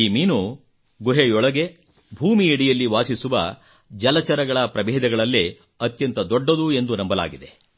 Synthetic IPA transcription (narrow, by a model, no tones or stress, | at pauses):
iːmiːnu | ɡuɦejɔɭɐɡe̞ | bʱuːmiiɽijɐlːiʋaːsisuʋɐ̰ | d͡ʒɐlɐt͡ʃɐɾɐɡɐɭɐpɾɐbɛːd̪ɐɡɐɭɐlːe | ɐt̪jɐnt̪ɐd̪ɔɖːɐd̪ue̞nd̪unɐmbɐla̰ːɡid̪e̞